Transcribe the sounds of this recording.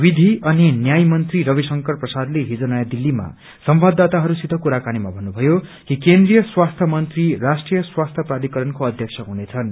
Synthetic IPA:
bid̪ʱiʔʌninjajmʌnt̪riɾʌβisʌŋkʌrprʌsad̪leɦid͡zʌnajʌd̪ilːima̰ | sʌmbad̪at̪aɦʌɾusid̪ʱʌkuɾakanimabʱʌnːubʱʌjokikend̪rijʌswast̪ʰjʌmʌnt̪rirasʈrijʌswast̪ʰjʌpraɾikʌɾʌnkoʌd̪ʱjʌksʰʌɦunet͡sʰʌn

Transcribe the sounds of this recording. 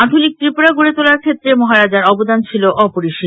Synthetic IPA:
at̪ʰonik̚t̪ɾipoɽaɡuɽet̪olaɾkʰet̪ːɾemɔɦaɾad͡ʑaɾɔbod̪ant͡ɕʰiloʔɔpoɾiʃi

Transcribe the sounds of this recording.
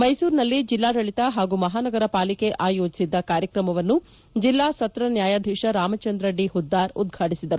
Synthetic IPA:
mɐjsuːɾnɐlːid͡ʒilːaːɾɐɭit̪ɐɦaːɡumɐɦaːnɐɡɐɾɐpaːlike̞ʔaːjo̞ːd͡ʒisid̪ːɐkaːɾjɐkɾɐmɐʋɐnːu | d͡ʒilːaːsɐt̪ɾɐnjaːjaːd̪ʱiʂɐɾaːmɐt͡ʃɐnd̪ɾɐɖiɦud̪ːaːɾud̪ɡʱaːʈisid̪ɐɾu

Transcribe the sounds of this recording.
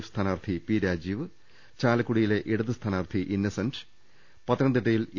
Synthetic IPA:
fst̪ʰaːnaːrt̪ʰipiːɾaːd͡ʑiːʋɨ | t͡ɕaːlɐkːuɽijile̞ʔiɽɐðɨst̪ʰaːnaːrt̪ʰiʔinːɐsɐnɖ | pɐt̪ːɾɐnd̪iʈːɐjil

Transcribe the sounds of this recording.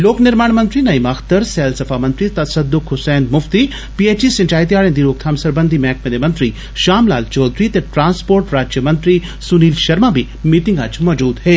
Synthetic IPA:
loːknɪɾmaːɳmɐ̃nt̪ɾinɐimaxt̪əɾsɛːlsɐfʰaːmɐ̃nt̪ɾit̪ɐsɐd̪ʊkɦʊsɛːnd̪mʊft̪i | piːeːt͡ʃisɪ̃ɲt͡ʃaːit̪ijaːɭẽnd̪iɾoːk̚t̪ʰaːmsɐɾbənd̪ʱimɛːkʰmẽd̪emɐ̃nt̪ɾi | ʃaːmlaːlt͡ʃɔːd̪ɾit̪eʈɾaːnspoːɾʈɾaːd͡ʒjəmɐ̃nt̪ɾi | sʊniːlʃɐɾmabʱi | miːʈɪ̃ŋɡat͡ʃmɔːd͡ʒuːd̪ɦeː

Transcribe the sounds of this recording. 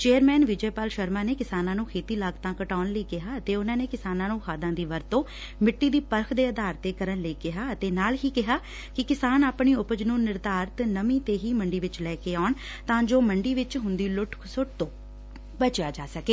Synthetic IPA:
t͡ʃeːəɾmɛːnʋɪd͡ʒeːpaːlʃəɾmaːneːkɪsaːnãːnũːkʰeːt̪iːlaːɡt̪ãːkəʈaːnləiːkɪɦaːət̪eːʊnãːneːkɪsaːnãːnũːxʰaːd̪ãːd̪iːʋəɾt̪õː | mɪʈːiːd̪iːpəɾkʰd̪eːəd̪aːɾt̪eːkəɾənləiːkɪɦaːət̪eːnaːlɦiːkɪɦaː | kɪkɪsaːnaːpɳiːʊpəd͡ʒnũːnɪɾd̪aːɾt̪nəmĩːt̪eːɦiːməɳɖiːʋɪt͡ʃlɛːkeːaːʊɳ | t̪ãːd͡ʒoːməɳɖiːʋɪt͡ʃɦʊnd̪iːlʊʈsʊʈ̚t̪õː | bət͡ʃjaːd͡ʒaːsəkeː

